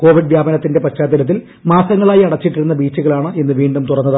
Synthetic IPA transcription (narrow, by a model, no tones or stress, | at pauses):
ko̞ːʋiɖʋjaːbɐnɐt̪ːinde̞pɐt͡ɕːaːd̪iɾɐt̪̬ːil | maːsɐŋːɐɭaːjiɐɽɐt͡ɕːiʈːiɾunːɐbiːt͡ɕːuɣɐɭaːɳɨe̞nːɨʋiːɳɖumt̪urɐnːɐð